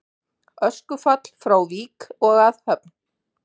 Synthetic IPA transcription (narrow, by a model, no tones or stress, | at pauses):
œskʏfat̪l̥fɾawviːkɔɣaðhœpn